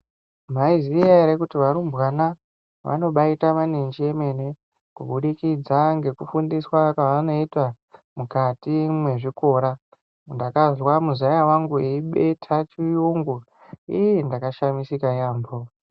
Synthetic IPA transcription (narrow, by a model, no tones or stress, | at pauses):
maiziaɾekutiʋaɾumbwana | ʋa̰no̞ɓaitamanend͡ʒieme̞ne | kuɓuɗikid͡zaŋɡe̞kufundiswakaʋano̞itwa | mukatimwe̞ʐiko̞ːɾa | ndakazwamuzajawaŋɡueiɓe̞tʰat͡ʃijuŋɡu | ḭjendakaʃamisikajaːmbo